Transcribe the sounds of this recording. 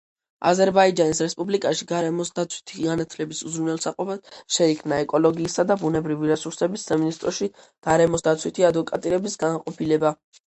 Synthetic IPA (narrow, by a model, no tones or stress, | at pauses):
a̰zɛɾbaid͡ʒanisɾɛspʼublikʼaʃiɡaɾɛmɔsd̪at̪sʰwi̥t̪ʰiɡanat̪ʰlɛbisuzɾunɛlˠsaqʼɔbad̪̥ʃɛikʰmnaɛkʼɔlɔɡiːsad̪abunɛbɾiviɾɛsuɾsɛbisːaminist̪ʼɾɔʃi | ɡ̥aɾɛmɔsd̪at̪sʰwit̪ʰiad̪vɔkʼat̪ʼiɾɛbisɡanqʼɔpʰilɛba